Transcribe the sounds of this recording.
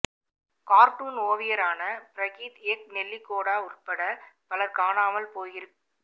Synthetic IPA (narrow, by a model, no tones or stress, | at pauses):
kaːɾʈuːnoːʋɪjɐɾaːnɐpɾɐɣiːt̪eːk̚nɛlːikːoːɽaːʊrpːɐɽɐpɐlɐɾkaːnaːmɐlpoːjɪɾɯkːɯ